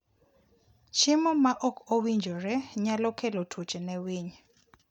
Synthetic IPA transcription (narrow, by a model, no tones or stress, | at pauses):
t͡ʃʰimɔmaʔɔkʰowind͡ʒʱɔrɛɲalɔkʰɛlɔtʰu̥t͡ʃʼɛnɛwiːɲɛ